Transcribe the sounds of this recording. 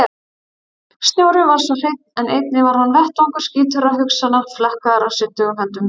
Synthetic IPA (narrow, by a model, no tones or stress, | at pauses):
st̪njaːwɾɪvaɾ̥svɔr̥ejt̪̚nɛnejt̪̚nɪvaɾ̥hanvɛht̪ɔŋkaɾ̥sciːt̪ʏɾaɦʏksanaflahkaðaɾawsɪt̪ːʏɦɛnt̪ʏm